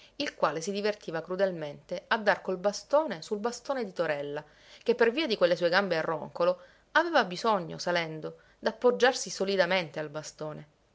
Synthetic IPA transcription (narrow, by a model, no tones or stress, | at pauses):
ilkwaːlesid̪ivert̪iːvakɾud̪elment̪ead̪ːarkolbast̪oːnesulbast̪oːned̪it̪oɾɛlːa | kepːerviːad̪ikwelːesuːeɡambearːo̰ŋkolo | aveːvabizoɲːo̰salɛnd̪o | d̪apːod͡ʒːarsisolid̪ament̪ealbast̪oːne